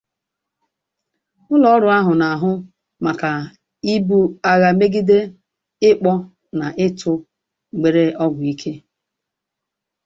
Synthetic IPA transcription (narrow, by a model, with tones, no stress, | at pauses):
ʊ˦lɔ˨ɔ˦ɾʊ˨a˦ɦʊ˨na˨a˨ɦʊ˦ | ma˨ka˨ | i˦bu˦a˦ɣa˨me˦ɡi˦de˦ | ɪ˦k͡pɔ˦ | na˨ʔɪ˦tʰʊ˦˨ | ɡ͡be˨ɾe˦ɔ˦ɡʷʊ˨i˦kʰe˦